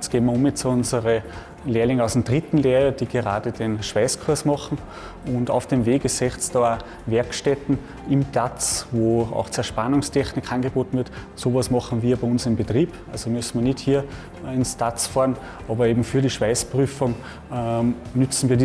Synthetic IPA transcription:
sɡ̥eːənməɐʊmjɛt͡sʊnzəʁə | leːɐlɪŋəaʊsd̥emd̥ʁɪtn̩leːɐʁəd̥iːɡəʁa̰ːdəd̥enʃv̥aɪskʰʊɐsmɔχn̩ | ʊ̃nda̰ʊfd̥emveːɡəsɛχt͡sd̥ɑaː | vɛɐkʃtɛtn̩ | ɪmtʰat͡svoːa̰ʊxt͡sɛɐʃpanʊŋstʰɛxnɪkʰanɡəb̥oːtn̩vɪɐtsoːvasmɑχn̩viːɐbæɪʊnsɪmbətʁ̥iːb̥ʔalzomʏsn̩viːnɪthiːɐ | ɪnstat͡sfɑːɐn | ʔɑːbɐeːbm̩fyːɐɾiːʃv̥aɪspʁyːfʊŋ | nʏt͡sn̩viːɐd

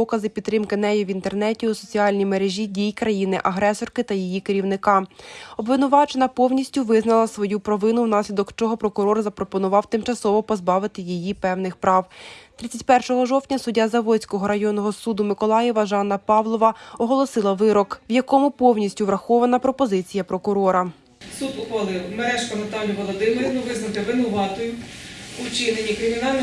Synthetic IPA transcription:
ɔkɐzɪpʲid̪ːɾɪmkɪnɛjɛʋʲint̪ernɛtʲiʊsɔt͡sʲiɑlʲnʲimeɾeʒʲidʲijkɾɐjinɪʔɐɦɾɛsɔrkɪt̪ɐjijikeɾʲiwnɪkɑɔbʋɪnʊʋɑt͡ʃenɐpɔwnʲisʲtʲʊʋɪznɐlˠɐsʋɔjupɾɔʋɪnʊwnɑsʲlʲid̪ɔkt͡ʃɔɦɔpɾɔkʊɾɔrzɐpɾɔpɔnʊʋɑwt̪ɪmt͡ʃɐsɔʋɔpɔzbɑʋɪt̪ɪjijipɛwnɪxpɾɑwt̪ɾɪt͡sʲːɐtʲpɛrʃɔɦɔʒɔwtʲnʲɐsʊdʲːazɐʋɔsʲkɔɦɔɾɐjɔnːɔɦɔsud̪ʊmɪkɔlˠɑjɛʋɐʒɑnːɐpɑʋlˠɔʋɐɔɦɔlˠɔsɪlˠɐʋɪɾɔkʋjɐkɔmʊpɔwnʲisʲtʲʊʋɾɐxɔʋɐnɐpɾɔpɔzɪt͡sʲijɐpɾɔkʊɾɔɾɐ | sud̪ʊxʋɐlˠɪwmeɾɛʃkɔnɐt̪ɑlʲːiʋɔlˠɔd̪ɪmeɾʲɐnʊʋɪznɐt̪ɪʋɪnʊʋɑt̪ɔjʊʊt͡ʃɪnenʲikɾɪmʲinɑlʲn

